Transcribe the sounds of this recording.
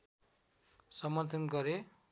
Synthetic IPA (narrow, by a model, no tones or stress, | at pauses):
sʌmʌrt̪ʰʌnɡʌɾe